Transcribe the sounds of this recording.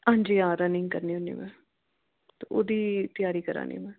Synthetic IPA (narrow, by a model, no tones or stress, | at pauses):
ãːɲd͡ʒiːãːɾənɪŋɡkəɾniːɦʊnḭːmɛ̰̃ː | t̪oːʔoːd̪iːt̪ɪjaːɾiːkəɾa̰ːnḭːmɛ̃ː